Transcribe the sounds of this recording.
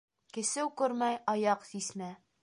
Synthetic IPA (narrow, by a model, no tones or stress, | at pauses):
kɘ̆sɘwkʉɾmæjɑjɑqsismæ